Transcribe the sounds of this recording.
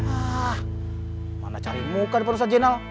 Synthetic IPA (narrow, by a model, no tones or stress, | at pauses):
ah | ma̰nat͡ʃa̰ɾimukanipanus̬ad͡ʒenal